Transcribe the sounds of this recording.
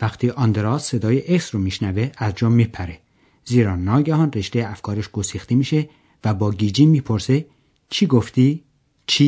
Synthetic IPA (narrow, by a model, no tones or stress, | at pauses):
væxt̪ʰiːʔɒnd̪eɾɒːsse̞d̪ɒːjeʔeksɾomiːʃnæveæzd͡ʒɒːmːipʰæɾe | ziːɾɒːnɒːɡæhɒnreʃd̪ejæfkʰɒːɾeʃɡ̥osiːxt̪emiːʃe | væbɒːɡiːd͡ʒiːmiːpʰoɾse | t͡ʃʰiːɡoft̪i | t͡ʃʰi